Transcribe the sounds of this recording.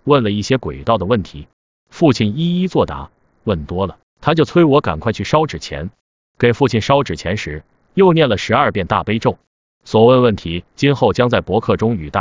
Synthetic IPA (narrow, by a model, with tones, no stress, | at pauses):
wə˥˩nlə˩i˥˩ɕjɛ˥kwḛ˨˩ɪt̪ɑ˥˩ʊd̪ə˩wə˥˩nt̪ʰḭ˧˥ | fu˥˧t͡ɕʰi˥˩ni˥i˥t͡swɔ˥˩t̪a̰˧˥ | wə˥˩nt̪wɔ˥lə˨ | t̪ʰa˥t͡ɕjo˥˩ʊt͡sʰwe˥ɪwɔ˧˥ka̰˨˩nkʰwa˥˧ɪt͡ɕʰy˥˩ʂɑ˥ʊʈ͡ʂɻ̩˨˩t͡ɕʰjɛ̰˧˥n | kə˥˩nfu˥˧t͡ɕʰi˥˩nʂɑ˥ʊʈ͡ʂɻ̩˨˩t͡ɕʰjɛ̰˧˥nʂɻ̩˧˥ | jo˥˧ʊnjɛ˥˩nlə˩ʂɻ̩˧˥ɐ˞˥˧pjɛ˥˧nt̪a̰˥˩pe˥ɪʈ͡ʂo˥˩ʊ | swɔ˨˩wə˥˧wə˥˩nt̪ʰi˧˥t͡ɕi˥nxo˥˩ʊt͡ɕjɑ˥ŋt͡sa˥˩ɪpwɔ˧˥kʰɤ˥˩ʈ͡ʂʊ˥ŋy˨˩t̪a̰˥˩